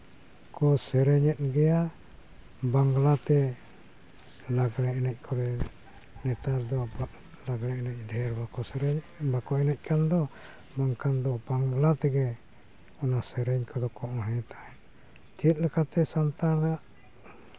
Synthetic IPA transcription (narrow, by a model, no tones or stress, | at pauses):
kɔsɛɾɛɲɛt̪̚ɡɛja | baŋɡlat̪ɛ | laɡɽɛɛnɛc̚ˀkʰɔɾɛ | nɛt̪aɾd̪ɔ | laɡɽɛnɛc̚ˀɖʱɛɾbakɔsɛɾɛɲ | bakɔɛnɛc̚ˀkand̪ɔ | baŋkand̪ɔbaŋɡlat̪ɛɡɛ | ɔnasɛɾɛɲkɔd̪ɔkɔʔɔɦɛ̃t̪aɛ | t̪iət̪̚lɛkat̪ɛsant̪aɾd̪aaʔ